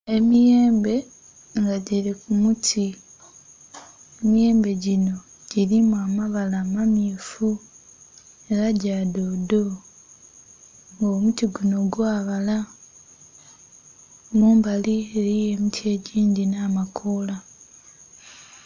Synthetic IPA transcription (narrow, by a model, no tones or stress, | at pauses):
e̞mijeːmbe̞ | ŋɡaɟiɾikumutʰi | emije̞ːmbe̞ɟino̞ | ɟiɾimuamaβalaːmamiːfu | e̞ɾaɟaːdodo̞ | ŋɡoːmutiɡunoɡwaːβala | muːmbalieɾie̞mitʰie̞ɟiːndinaːmakʰola